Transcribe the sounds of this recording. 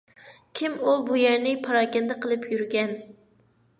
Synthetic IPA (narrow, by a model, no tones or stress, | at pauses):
kʲʰimubujæɾnɪpʰɑɾɑːɡʲɛnd̪ɛqəlˠɨpʰjyɾɡʲɛn